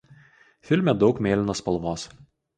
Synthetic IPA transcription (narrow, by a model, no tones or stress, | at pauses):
fʲɪlʲmʲɛd̪ɒʊkmʲeːlʲɪnospɐlˠʋoːs